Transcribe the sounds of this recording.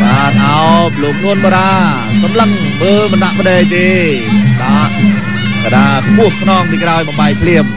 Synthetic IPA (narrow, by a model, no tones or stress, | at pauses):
ɓaːnʔaɔploːkʰluənɓoɾaː | sɑmləŋ | ɓəːmɨnɗaʔpəɗɛːj̚t̪eːɗaːʔ | ɓoɾaːkpʊəhkʰnɔːŋpiːkɾaɔjɓɑmɓaɛk̚pʰliəp̚